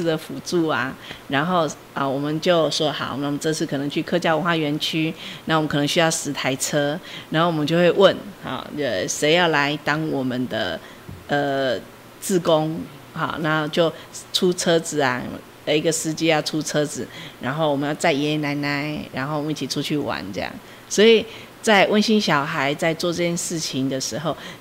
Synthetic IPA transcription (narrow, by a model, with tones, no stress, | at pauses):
d̪ə˨fu˨˩t͡su˥˩a̰˩ɻa˧˥nxo˥˩ʊ | ə˨wɔ˨˩mə˦nt͡ɕjo˥˧ʊsɔ˥xɑ̰˨˩˦ʊna˥˩˨ɔ˨ə˦ʈ͡ʂɤ˥˧ʂɻ̩˥˩kʰɤ˨˩nɤ˧˦ŋt͡ɕʰy˥˧kʰɤ˥˧t͡ɕjɑ˥˩ʊwə˦nxwa˥˧ɥɛ˧˥nt͡ɕʰy˥na˥˩wmə˦kʰn˧ŋɕy˥jɑ˥˩ʊʂɻ̩˧˥t̪ʰa˧˥ɪt͡sʰɤ˥ɻa˧nxo˥˩wɔ˨˩mə˦t͡ɕjo˥˧ʊxwe˥˧ɪwə˥˨nhɑ̰˨˩ə˧˩ʂe˧˥ɪjɑ˥˩ʊla˧˦ɪt̪ɑ˥ŋwɔ˨˩mə˨nd̪ə̰˧˩ | ə˧ | t͡sɹ̩˥˩ko˦ŋ | hɔ̰˨˩na˥˧t͡ɕjo˥˧ʊʈ͡ʂʰu˥t͡sʰɤ˦d͡zɹ̩˨˩a̰˩ | ə˧˩i˧ɡə˨sɹ̩˦t͡ɕi˥˦jɑ˥˩ʊʈ͡ʂʰu˥t͡sʰɤ˥˦d͡zɹ̩˨˩ɻa˧˥nxo˥˩ʊwɔ˨˩mə˦jɑ˥˧ʊt͡sa˥˩ɪɛ˧˥na˧˥ɪna˧˥˦ɪɻa˧˦nxo˥˩ʊwɔ˨mə˦i˥˩t͡ɕʰi˨˩ʈ͡ʂʰu˦˥t͡ɕʰy˥˩wa̰˧˦nt͡sɤ˧jɑ̰˥˩ŋ | swɔ˧˥i˨˩ | t͡sa˥˧ɪwʔə˥˧nɕi˥nɕjɑ˨˩ʊxa˧˦ɪt͡sa˥˧ɪt͡swɔ˥˧ʈ͡ʂɤ˥˧˩t͡ɕjɛ˥˧nʂɻ̩˥˩t͡ɕʰi˨ŋd̪ə˨ʂɻ̩˧˥xo˥˧ʊ